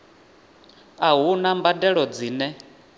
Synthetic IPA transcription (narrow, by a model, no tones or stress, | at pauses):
aɦunambadɛɺɔd͡ziːnɛ